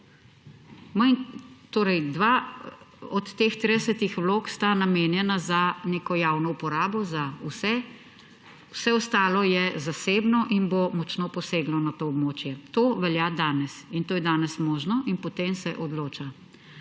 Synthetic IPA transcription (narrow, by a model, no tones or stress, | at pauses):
məjt̪oːɾɛjd̪ʋa | ɔt̪ːeːxt̪ɾid̪ɛsət̪ixʋloːkst̪anameːnjɛnazaneːkɔjaːwnɔupɔɾaːbɔzausɛ | wsɛɔst̪aːlɔjɛzaseːbnɔʔinbomɔt͡ʃnoːpɔseːɡlɔnat̪oːɔbmoːt͡ʃjɛt̪oːʋɛljad̪aːnɛsint̪oːjɛd̪aːnɛsmoːʒnɔʔinpɔt̪emsɛʔɔd̪loːt͡ʃa